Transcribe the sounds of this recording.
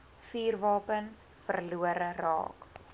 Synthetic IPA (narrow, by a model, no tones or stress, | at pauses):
fiːrvɑːpən | fərluəɾərɑ̰ːk